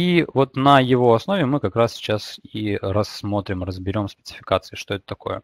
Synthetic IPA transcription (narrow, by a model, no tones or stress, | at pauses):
ivo̞t̪nəjɪvo̞ɐsno̞vʲɪmɨkɐkɾassʲɪ̥t͡ɕasiɾɐsːmo̞t̪ɾʲɪmrəzbʲɪɾʲo̞msʲpʲɪt̪sɨ̥fʲɪ̥kat̪sɨɪʂt̪o̞ɛt̪ə̥t̪ɐko̞̰jə̰